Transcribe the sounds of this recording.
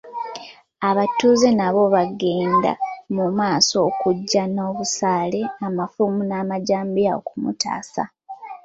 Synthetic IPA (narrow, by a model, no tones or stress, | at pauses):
aβatːuːzenaβo̞βaɡe̞ːnda̰mumaːso̞ːkuɟːano̞ːβusaːle̞amafumunaːmaɟaːmbiao̰kumṵta̰ːsa